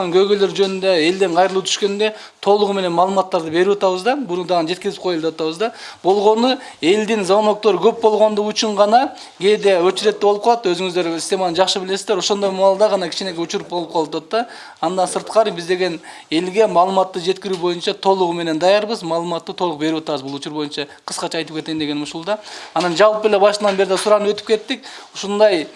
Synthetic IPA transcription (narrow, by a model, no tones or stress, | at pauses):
ɑŋkʲʰɵɡʲele̞ɾʒønɪnd̪e̞e̞ld̪eɴqʰɑjɾlˠut̪ʰʏ̥ʃkʲe̞nɪnd̪e̞ | t̪ʰo̞lˠəʁme̞ne̞nmɑːlˠəmɑt̪ːɑɾd̪əbe̞ɾuwot̪ɑβəzd̪ɑbʊnəɴd̪ɑʁənd͡ʒe̞t̪kʲɪzɪp̚qʰo̞jlˠd̪eot̪ɑβəzd̪ɑb̥o̞lˠʁo̞nə | e̞ld̪ɪŋzono̞k̚t̪oɾkʲʰɵp̚bo̞lˠʁo̞nd̪əʁʏt͡ʃɪɴʁɑnɑ | ɡʲe̞d̪e̞wɵt͡ʃɪɾe̞t̪ːeboəp̚qɑlˠɑt̪wɵzɪŋɪzd̪e̞ɾsist̪e̞mɑnəʒɑχʃəbɪle̞sɪzd̪eɾwo̞ʃo̞nd̪ojmɑɑlˠd̪ɑʁɑnɑkʲʰɪʃenekʲeɵt͡ʃɪɾɪp̚bo̞lˠəp̚qʰɑlˠɑt̪ɑt̪ːɑ | ɑnd̪ɑnsəɾt̪̚qɑɾbɪzd̪e̞ɡʲe̞n | e̞lɡʲe̞mɑːlˠəmɑt̪ːəʒe̞t̪kʲɪɾubo̞jənʃɑt̪ʰo̞lˠʊʁəme̞ne̞nd̪ɑjɑɾbəzmɑːlˠəmɑt̪ːət̪ʰo̞lˠəq̚beɾuwot̪ɑwəzbulˠʊt͡ʃuɾbo̞jənʃɑqʰə̥sqɑt͡ʃʰɑːjt̪əpkʲe̞t̪e̞nd̪e̞ɡe̞nmʊʃulˠd̪ɑɑnɑnʒɑlˠpəle̞bɑʃənɑnbe̞ɾɪd̪ɑsʊɾɑnəpwɵt̪ɪp̚kʲʰe̞t̪ːɪk̚oʃond̪ɑj